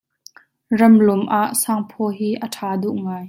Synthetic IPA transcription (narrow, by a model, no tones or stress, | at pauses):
rɐmlʊmʔaːʔsaːŋpʰɔːɦiːʔəʈʰaːduʔŋaːj